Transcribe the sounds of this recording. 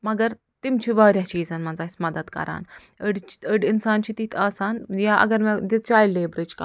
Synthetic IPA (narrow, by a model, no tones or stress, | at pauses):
məɡəɾ | t̪imt͡ɕiʋəɾjat͡ɕiːd͡zanmənd͡zasmɐd̪əd̪kɐ̰ɾa̰ːn | əɽt͡ɕi̥əɖinsant͡ɕiːt̪iːt̪ʰasanjaʔə̰ɡəɾmɛd̪it̪̚t͡ɕajlebɾed͡ʒka̰